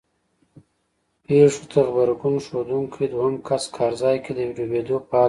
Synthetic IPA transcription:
peʂot̪ʰaxbaɾɡunʂod̪uŋkʰid̪wɦɐmkʰaskʰɑːɾzɑːjked̪əwiɾobed̪oːpː

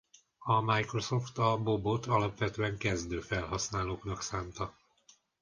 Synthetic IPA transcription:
ɒmajkro̞soft̪ɒbo̞bot̪ɒlɒpʋɛt̪øːɛŋkɛzd̪øːfɛlhɒsnaːloːknɒksaːnt̪ɒ

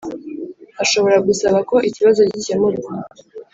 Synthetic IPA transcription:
aʃo̞βo̞ɾaɡusaβako̞ʔiciβazo̞cɟicemuɾa

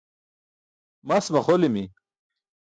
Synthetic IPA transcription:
masmɐχolimi

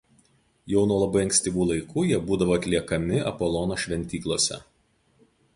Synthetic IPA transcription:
jɛʊnuɔlˠɐbɐɪɐŋʲksʲt̪ʲiːʋuːlˠɐɪkʰuːjiɛbuːd̪ɐʋoːɐt̪ʲlʲiɛkɐmʲɪɐ̰pɔlˠɔnoːʃʲʋʲɛnʲt̪ʲiːklˠoɔsʲɛ̰

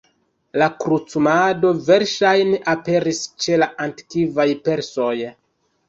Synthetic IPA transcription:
lakɾut͡sumado̞ve̞ɾʃajneʔape̞ɾist͡ʃe̞laʔanti̥kivajpe̞ɾso̞j

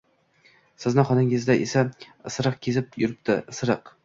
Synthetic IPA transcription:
sɪznɪχɒnɪŋɪzd̪aʔesasɾɨqkʲʰezɪp̚jʊɾɪp̚t̪ʰɪsɾɨq

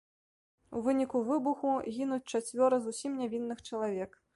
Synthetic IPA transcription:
ṵvɨnʲikuvɨbuxuɣʲinut͡sʲt͡ʂat͡sʲvʲɔɾɐzusʲimnʲavʲinːɨxt͡ʂɐlˠavʲɛk

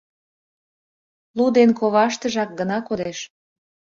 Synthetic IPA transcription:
lud̪enkoβɑʃt̪ə̆ʒɑk̚ɡənɑkod̪eʃ

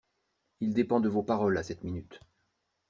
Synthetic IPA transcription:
ild̪epɑ̃d̪əvopaʁɔlasɛt̪minyt̪

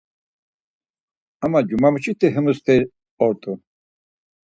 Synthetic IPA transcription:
amad͡ʒumamut͡ʃʰit̪ʰɛɦəmust̪ʰɛ | ɔɾt̪ʼu

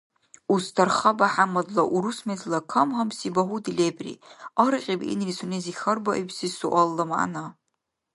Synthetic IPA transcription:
ustʰarχabaħamadlaʔuɾusmezlakʰamɦamsibaɦudilebrḭaɾɨqʲʼibḭnrisunezixʲɐrbaʔibsizsuʔʷalːamaʔa̰na

